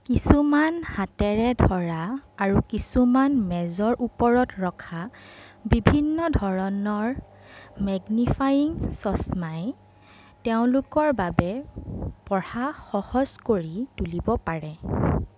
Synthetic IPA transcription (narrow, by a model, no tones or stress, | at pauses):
kisumanhatɛɹɛdʱɔɹaːɹukisumanmɛzɔɹʔupɔɹɔtɹɔkʰabibʱinːɔdʱɔɹɔnɔɹ | mɛɡnifʰajiŋsɔsmaj | teʊ̃lʊkɔɹbabɛ | pɔɹaxɔhɔz̥koɹitulibɔpaɹɛ